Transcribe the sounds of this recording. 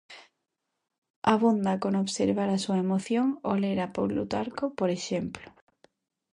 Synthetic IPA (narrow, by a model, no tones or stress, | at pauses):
aβund̪akonoβseɾβaɾasuɐemoθjoŋoleɾapowlṵt̪aɾkopoɾeʃemplʊ